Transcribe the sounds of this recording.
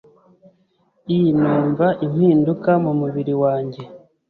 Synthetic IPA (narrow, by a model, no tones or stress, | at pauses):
ijinuːɱvaʔim̥hiːndukamumuβiɾiwaːɲɟe̞